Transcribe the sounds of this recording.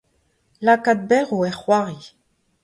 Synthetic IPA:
lakad̪̚bɛʁoɛχwaʁi

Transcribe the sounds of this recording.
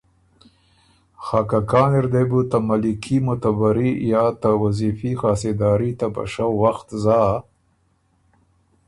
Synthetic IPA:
xɑkakɑːnɪɾd̪ebut̪amalikʰimʊt̪abaɾijɑt̪awazifixɑːsed̪ɑːɾit̪aba̰ʃawːaxt̪zɑ

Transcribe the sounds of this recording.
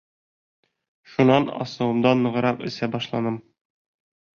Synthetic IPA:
ʃunɑnɒ̰sɤ̆wɤ̆md̪ɑnːɤ̆ʁɤ̆ɾɑqɵ̆sæbɒʃlˠɑnɤm

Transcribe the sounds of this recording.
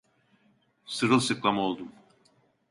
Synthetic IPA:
sɯɾɯlˠsɯklˠamo̞lˠd̪um

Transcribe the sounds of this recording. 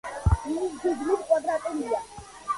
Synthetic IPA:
ɡiɡmit̪kʼwad̪ɾat̪ʼɛmia

